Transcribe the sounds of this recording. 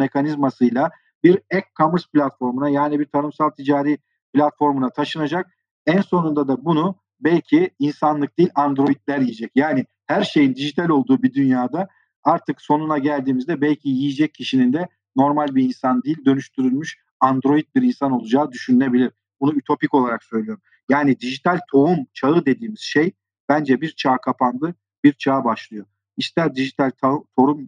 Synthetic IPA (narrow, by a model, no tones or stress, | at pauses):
me̞kʰanizmasɯjlˠa | biɾɛkʰːamɯɾsplʲat̪fo̞ɾmunajaːnibiɾt̪ʰanɯmsalˠt̪ʰid͡ʒaːɾiː | plʲat̪fo̞ɾmunat̪ʰaʃɯnad͡ʒak̚ | ænso̞nund̪ad̪abunu | bɛlʲcʰiinsanlˠɯk̚d̪iːlʲand̪ɾo̞jit̪lʲæɾjijed͡ʒɛcjaːnɪ | hæɾʃe̞jind̪iʒit̪ʰalʲo̞lˠd̪uːbid̪ynjaːd̪a | aɾt̪ʰɯkso̞nunaɟælʲd̪iːmizd̪ɛbɛlʲcʰijijid͡ʒɛc̚ʰːiʃinind̪ɛ | no̞ɾmalʲbiinsand̪ijːlʲd̪ø̞nyʃt̪ʰyɾylʲmyʃ | and̪ɾo̞jit̪̚biɾinsano̞lˠud͡ʒaːd̪yʃynne̞bilʲiɾ̥ | bunuyt̪ʰo̞pico̞lˠaɾaksø̞jlʲyjo̞ɾum | jaːnid̪iʒit̪ʰalʲt̪ʰo̞umt͡ʃʰaɯd̪e̞d̪iːmiz̥ʃej | b̥ænd͡ʒɛbiɾt͡ʃʰaːkʰapʰand̪ˠɯ | b̥iɾt͡ʃʰaːbaʃlˠɯjo̞ | iʃt̪ʰɛd̪iʒit̪ʰalʲt̪ʰat̪ʰo̞ɾum